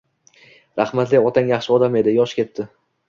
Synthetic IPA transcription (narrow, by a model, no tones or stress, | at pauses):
ɾaχmat̪lɪɒt̪ʰaŋjaχʃɪɒd̪ame̞d̪ɪjɒʃkʲe̞t̪ːɪ